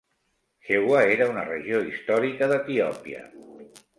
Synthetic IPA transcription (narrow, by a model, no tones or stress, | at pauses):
xewaeɾəunə̰rə̰ʒioist̪ɔɾikəðət̪iɔpiə̰